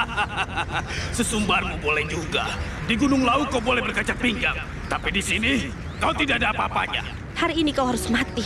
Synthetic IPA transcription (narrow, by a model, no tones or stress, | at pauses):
aasəsumbarmubolɛhd͡ʒuɡa̰diɡunʊŋlaukːaubolɛhbərkat͡ʃak̚biŋɡaŋ | t̪apidisini | kaut̪idaʔadaːpaːpa̰ɲa̰ | haɾiːnikauɦaɾʊsmat̪i